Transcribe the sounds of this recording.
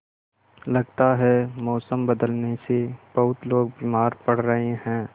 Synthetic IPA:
lɐɡt̪aɦɛmɔːsəmbɐd̪əlneseb̥ɐɦʊt̪loːɡ̚biːmaːɾpɐɽ̤ɾɐɦeɦɛ̃ː

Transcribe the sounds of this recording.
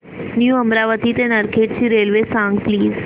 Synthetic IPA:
njuəmɾaʋət̪it̪enəɾkʰeːʈt͡ʃiɾeːlʋesãŋɡpliːz

